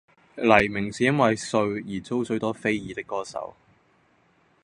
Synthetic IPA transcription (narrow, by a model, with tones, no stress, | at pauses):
lɐ˨˩jmɪ˨˩ŋsiː˨˥jɐ˥nwɐ˨jsɵ˧ɥjiː˨˩t͡so˥wsɵ˨˥ɥt̪ɔː˥fe˥jjiː˨˧t̪ɪ˥kːɔː˥sɐ̰˨˥w